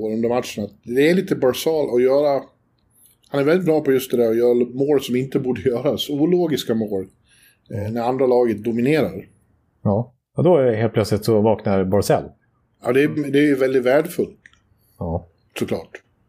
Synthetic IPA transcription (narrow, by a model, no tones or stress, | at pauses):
oːɾɵnd̪əɾmat̪ʂənat̪̚d̪ɛːɭiːt̪əbɑɾsɑːlɔjœːɾa | hanɛɾvɛlːɪt̪̚bɾɑːpɔjɵst̪̚d̪ɛd̪æːɾɔjœːɾamoːɾsɔmɪnt̪əbuːɖəjœːɾasuːloːɡɪskamoːɾ | næɾand̪ɾalɑːɡət̪̚d̪ʊmɪneːɾa̰ɾ | ɑː | ad̪ɔæɛɦeːlpʰlœt̪slɪt̪sɔvɑːknaɾbɔɾsɛ̰lː | jɑ̰ːd̪ɛd̪ɛːjɵvɛld̪ɪt̪væːɖəfɵlt̪ | ɑ | sɔklɑ̰ːʈ